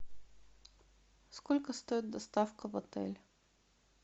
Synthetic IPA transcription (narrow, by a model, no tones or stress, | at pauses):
skɔlʲkəst̪ɔid̪d̪ɐst̪afkəvɐt̪ɛ̰lʲ